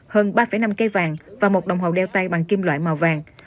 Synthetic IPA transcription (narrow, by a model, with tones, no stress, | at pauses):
həː˧nɓaː˧fəː˧˨˦jna˧mke˧vaː˨˩ŋvaː˨˩mo˨˩t̚ɗə˨˩wŋ͡mɦə˨˩wɗɛ˧wt̪a˧jɓa̰ː˨ŋki˧mlwa̰ː˧˨jma˨˩wvaː˨˩ŋ